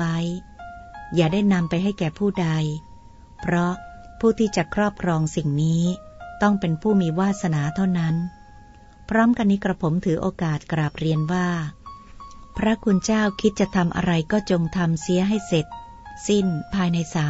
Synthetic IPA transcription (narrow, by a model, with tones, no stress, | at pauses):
a˦˥j | jaː˨˩daː˥˩jna˧mpa˧jɦa˥˩jkɛː˨˩pʰuː˥˩da˧j | pʰɾɔ˦˥pʰuː˥˩t̪ʰiː˥˩t͡ɕa˨˩kʰɾɔː˥˩p̚kʰɾɔː˧ŋsi˨˩ŋniː˦˥t̪ɔ˥˩ŋpe˧npʰuː˥˩miː˧waː˥˩t̪̚sa˧naː˩˦t̪ʰa˥˩wna˦˥n | pʰɾɔː˦˥mka˧nːiː˦˥kɾa˧pʰo˩˦mt̪ʰɯː˩˦ʔoː˧kaː˨˩t̪̚kɾaː˨˩p̚ɾi˧ənwaː˥˩ | pʰɾa˦˥kʰu˧nt͡ɕaː˥˩wkʰi˦˥t̪̚t͡ɕa˨˩t̪ʰa˧mʔa̰˧ɾa˧jkɔː˥˩t͡ɕo˧ŋt̪ʰa˧msi˦˥əɦa˥˩jse˨˩t̪̚ | si˥˩npʰaː˧jna˧jsaː˨˩˦